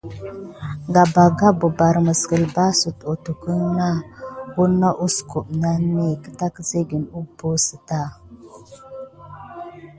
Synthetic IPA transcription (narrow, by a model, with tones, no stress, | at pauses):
ɡa˨ba˨ɡa˦bo˨ba˨ɾə˨mə˨skə˨lba˦su˨to˨tu˨kə˦ŋna˦ɡu˦nːa˦ʔu˦sku˨ʔna˦ni˦e˨kə̥˦ta˦kə˦ze˦ɡi˨nu˦bo˦sə˨ta˦˨